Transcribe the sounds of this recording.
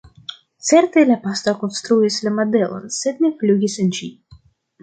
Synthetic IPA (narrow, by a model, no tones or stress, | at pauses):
t̪sɛɾt̪elʲapast̪akonst̪ɾuislʲamad̪ɛlˠo̰nsɛd̪nʲeflʲuɡʲisɨnd͡ʒi